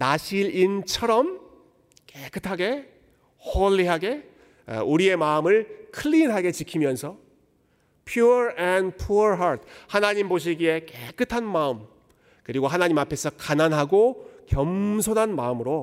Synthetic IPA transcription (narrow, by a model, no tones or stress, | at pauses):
naɕʰiɾint͡ɕʰʌɾʌm | kekʰɯtʰaɡe̞ | hʌʎːiɦaɡe̞̰ | uɾie̞maɯmɯɭkʰɯɭːinɦaɡe̞t͡ɕikʰimjʌnsʰʌ | pʰjuʌɾenpʰuɾɦaɾt̚ʰhanaɲimboɕ̬ʰiɡie̞kek͈ʰɯtʰanmaɯm | kɯɾiɡoɦanaɲimapʰe̞sʰʌkananɦaɡokjʌmsʰonɦanmaɯmɯɾo